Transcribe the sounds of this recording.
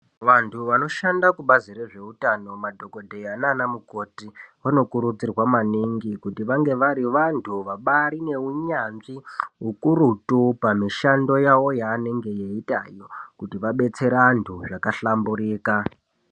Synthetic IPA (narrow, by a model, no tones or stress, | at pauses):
ʋantʰuʋano̞ʃandakuɓazireʐe̞utano̞madʱo̞ko̞dʱejananamuko̞tiʋano̞kuɾud͡zirwamaniŋɡikutiʋaŋɡe̞ʋaɾiʋantʰuʋaɓaɾine̞uɲanʐiɦukuɾutupamiʃando̞jawo̞jaːne̞ŋɡe̞jeita̰jokutiʋaɓe̞t͡se̞ɾantʰuʐakaɬambuɾiːka